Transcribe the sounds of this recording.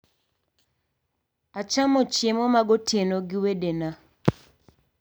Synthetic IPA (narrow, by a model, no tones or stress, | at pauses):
at͡ʃamɔt͡ʃemɔmaɡotjenoɡɪwedena